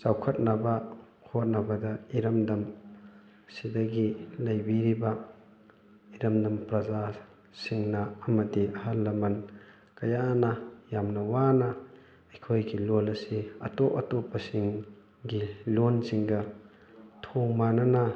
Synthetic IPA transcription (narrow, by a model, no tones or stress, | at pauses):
sawkʰɐt̚nɐbɐ | hot̚nɐbɐdɐiɾɐmdɐm | sidɐɡilɐjbiɾibɐ | iɾɐmdɐmpɾɐza | siŋnɐːmɐdiʔɐɦɐlːɐmɐn | kɐjanɐjamnɐwanɐ | ɐjkʰojɡilolɐsiɐ̰toʔɐtopɐsiŋ | ɡilonsiŋɡɐ | tʰoŋmanɐnɐ